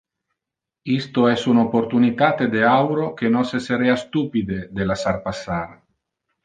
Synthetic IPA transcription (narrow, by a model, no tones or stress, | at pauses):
ist̪oɛsunopoɾt̪unit̪at̪ed̪eawɾokenoseseɾeast̪upid̪ed̪elasarpasːaɾ